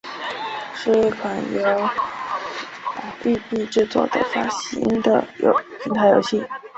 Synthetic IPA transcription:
ʂɻ̩˥˩kʰwa˨˩njo˧˥ʊ˨˩ | y˥˧pi˥˧ʈ͡ʂɻ̩˥˧t͡swɔ̰˥˩d̪ə̰˨˩fa˥ɕḭ˧˥ŋd̪ə̰˨jo̰˧ʊpʰi˧˥t̪ʰa˥˩jo˨˩ʊɕi˥˩

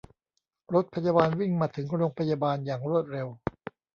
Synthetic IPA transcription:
ɾo˦˥t̪̚pʰa˧jaː˧baː˧nwi˥˩ŋmaː˧t̪ʰɯ˩˦ŋɾoː˧ŋpʰa˧jaː˧baː˧njaː˨˩ŋɾu˥˩ət̪̚ɾe˧w

